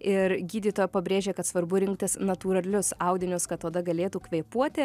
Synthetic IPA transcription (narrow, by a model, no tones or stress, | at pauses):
ɪɾɡʲiːd̪ʲiːt̪oːjɛpɐbʲɾʲeːʒʲeːkɐt̪sʋɐɾbʊɾʲɪŋk̚t̪ʲɪsnɐt̪uːɾɐlʲʊsɑˑʊd̪ʲɪnʲʊskɐt̪ːoːd̪ɐɡɐlʲeːt̪uːkʋʲɛɪpuɔt̪ʲɪ